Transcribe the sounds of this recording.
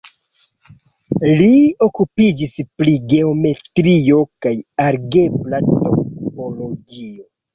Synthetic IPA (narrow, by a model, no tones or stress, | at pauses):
lio̞kupid͡ʒispliɡe̞o̞me̞tɾio̞kajaɾɡe̞blato̞po̞lo̞ɡio̞